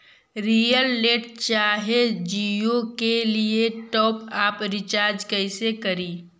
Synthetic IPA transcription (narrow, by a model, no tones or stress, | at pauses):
ɾiːjəlːeːʈt͡ʃaːɦed͡ʒijokelieʈɔːpaːpɾɪt͡ʃaːɾd͡ʒkəɪsekɐɾiː